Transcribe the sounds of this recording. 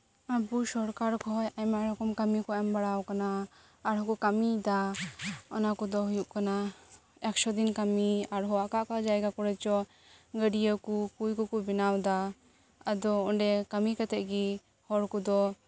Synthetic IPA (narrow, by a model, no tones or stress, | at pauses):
abusɔɽkaɾkɔɦɔjajmaɾɔkɔmkamikɔɛmbaɽawkanaː | ɾɦɔkɔkamid̪a | ɔnakɔd̪ɔɦujuʔkana | ɛkʃɔd̪inkamiaɾɦɔwaʔkaʔkad͡ʒaɛɡakɔɽɛt͡ʃɔ | ɡəɖijəkukujkɔkubinawd̪a | ad̪ɔɔɖɛkamikat̪ɛʔ̚ɡi | hɔɽkud̪ɔ